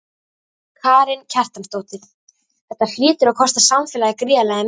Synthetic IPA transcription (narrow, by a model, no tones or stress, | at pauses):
kʰaːɾɪncʰɛr̥t̪amst̪oːwt̪ɪɾ | θɛht̪ːafɪːt̪ʏɾakʰɔst̪asamfɛːlaɣakɾɪːalaːjɣɪm